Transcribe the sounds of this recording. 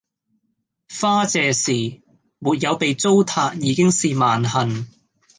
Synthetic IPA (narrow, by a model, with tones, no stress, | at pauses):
faː˥t͡sɛː˨siː˨˩ | muː˨t̚jɐ˨˧wpe˨jt͡so˥wt̪ʰaː˧k̚jiː˨˧kɪ˥ŋsiː˨maː˨nhɐ˨˩n